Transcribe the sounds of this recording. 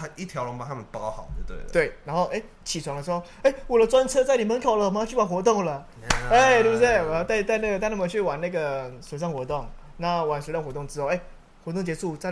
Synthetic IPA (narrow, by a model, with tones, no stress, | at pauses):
a˧˦i˥˩t̪ʰjɑ˧˦ʊlo˧ŋmpa˨˩t̪ʰa˥mə˨npa˥˦˥xɑ˨˩˦ʊt̪t̪wḛ˥˩tt̪we˥˩ɪna˧˥nxo˥˩ʊʔe˥˩ɪ | t͡ɕʰi˨˩t͡sʰwa˧˥ŋlə˧ʂ̩˧˥xo˥˧˩e˥˩ɪwɔ˨˩lə˦t͡swa˦nt͡sʰɤ˥t͡sa˥˩ɪni˨˩mə˧˦nkʰo˨˩lə˨˧˨jt͡ɕʰy˥˩wa˨˩xwɔ˧˥t̪̬o˥˩ŋlə˩ | e˥˩ti˥˧u˧˥se˥˩wɔ˨˩jɑ˥˧t̪a˥˧ɪt̪̬a˥˧ɪna˥˩ɡə˩t̪a˥˧ɪna˥˩mə˨˩t͡ɕʰy˥˩wa˨˩na˥˩ɡə˩swe˨˩sɑ˥˩ŋxwɔ˧˥t̪o˥˩ŋ | na˥˩wa˨˩nsɻa˥˩nxwɔ˧˥t̪ʊ˥˩ŋʈ͡ʂɻ̩˥o˥˧˨e˥˩ɪ | xwɔ˧˥t̪ʊ˥˩ŋt͡ɕjɛ˧˥ʂu˥˩t͡sa˥˩ɪ